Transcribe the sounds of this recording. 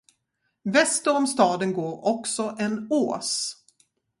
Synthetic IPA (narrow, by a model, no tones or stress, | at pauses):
vɛst̪əɾɔmst̪ɑːd̪ənɡoːɾɔksɔʔɛnoːs